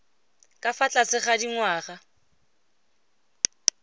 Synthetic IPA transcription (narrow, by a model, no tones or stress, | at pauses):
kʼafat͡ɬʼasɪχadiŋwaːχa